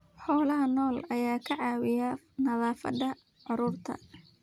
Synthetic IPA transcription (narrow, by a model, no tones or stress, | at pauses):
ħɔːlɐɦɐnɔːlɐjaːkʰɐʕɑːwɪja | nɐðaːfɐ̰d̪ɐ | ʕʊɾʊrt̪ʰɐ̰